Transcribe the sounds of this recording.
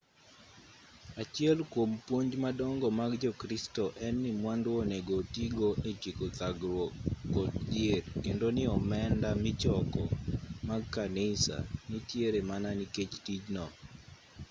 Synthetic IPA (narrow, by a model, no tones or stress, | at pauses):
at͡ʃɛlkwompwoɲd͡ʒmadɔŋɡɔmaɡd͡ʒɔkɾistɔʔɛnːɪmwandwɔneɡotiɡoet͡ʃikotaɡɾwɔkɔtd͡ʒɪeɾkendonɪɔmɛndamɪt͡ʃɔkɔmaɡkanisa̰nitjeɾemananiket͡ʃtid͡ʒnɔ